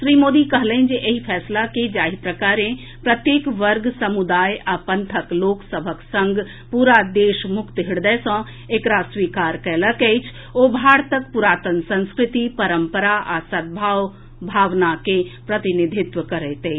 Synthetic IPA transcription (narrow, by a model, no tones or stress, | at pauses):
ʃɾimoːd̪ikəɦlɛĩnd͡ʒeʔeɦipʰɛːslaked͡ʒaːɦipɾəkaɾẽ | pɾət̪jeːkʋəɾɡsəmud̪aːjapənt̪ʰəkloːksəbʱəksə̃ŋɡ | puɾad̪eːʃmʊkt̪ɦiɽd̪əsə̃ | ekɾaswiːkaɾkɛːləkɛɪt͡ʃʰ | obʱaːɾt̪ək̚puɾaːt̪ənsə̃nskɾɪt̪ipəɾəmpəɾaʔasət̪̚bʱaːw | bʱaːʋnakepɾət̪inid̪ʱɪt̪ʋəkəɾɛt̪e